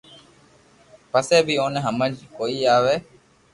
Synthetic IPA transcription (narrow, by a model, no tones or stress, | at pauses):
pɐseːbioːneɦɐmɐd͡ʒkoiaːʋe